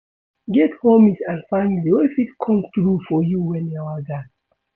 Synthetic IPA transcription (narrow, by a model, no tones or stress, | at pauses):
ɡɛthõmitãnfãmliofitkʰɔ̃mθɹufɔjuwɛ̃nawaɡat